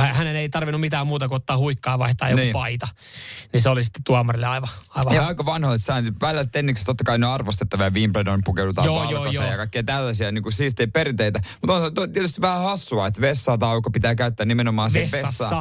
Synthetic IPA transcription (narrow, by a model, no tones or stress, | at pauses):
æhæneneit̪ɑrʋinːumit̪æːmmuːt̪ɑkuot̪ːɑːhuikːɑːʋɑiht̪ɑ̰ːjonkiuːpɑit̪ɑ | niseolisi̥t̪ːe̥tt̪uɑmɑrilːeɑiʋɑɑiʋɑɑikɑʋɑnhoet̪sɑːnpælːæst̪enːikst̪ot̪ːɑkɑinoɑrʋost̪et̪ːɑʋiɑʋiːmpledoimpukewdut̪ɑ̰ːjoːɑjkːojsɑjɑkɑikːeit̪ælːæsiæniːŋkusiːst̪iiperit̪eit̪æmut̪onsɑt̪ːot̪iɛt̪yst̪iʋʋæhæhɑsːuɑet̪ʋesːɑːt̪ɑːukːɑpit̪æːkæyt̪ːæːnimenomɑːnsesʋeːɑsːɑːɑ